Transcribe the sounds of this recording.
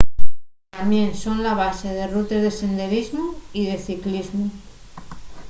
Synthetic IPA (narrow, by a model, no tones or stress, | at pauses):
t̪amje̞nso̞nlaβ̞aseð̞e̞rut̪ezðese̞nd̪e̞ɾizmoiðe̞θiklizmu